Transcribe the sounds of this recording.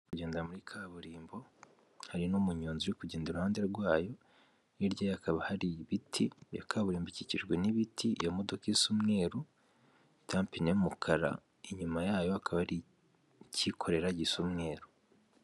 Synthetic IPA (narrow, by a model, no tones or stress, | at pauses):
kuɟe̞ːndamuɾikʰaβuɾiːmbo̞ | haɾinumuɲoːnziwikuɟeːndeɾuhaːnde̞ɾɡwaːjo̞ | niɾɟjajakʰaβahaɾiβitʰija̰kʰaβuɾiːmbiciciʒɡweniβitʰijamo̞do̞kiisumŋe̞ːɾu | itaːmpineumukʰaɾa̰ | iɲumajaːjo̞akʰaβahɾi | cikʰo̞ɾe̞ɾaɟisumŋe̞ːɾu